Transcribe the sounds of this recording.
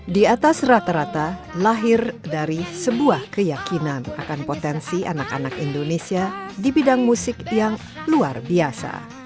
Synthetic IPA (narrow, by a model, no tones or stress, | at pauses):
diat̪asrat̪aɾat̪alaɦɪrdaɾisəbuahkəjakinana̰kanpot̪ɛnsiʔanaka̰nakindonesiadibidaŋmusɪkjaŋ | luarbiasa̰